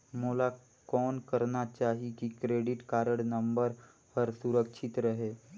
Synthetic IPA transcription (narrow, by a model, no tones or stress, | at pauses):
moːla | kɔːnkɐɾnat͡ʃaːɦikikɾeːɖɪʈkaːɾəɽnɐ̃mbəɾ | həɾsʊɾəkʃʰɪt̪ɾɐɦeː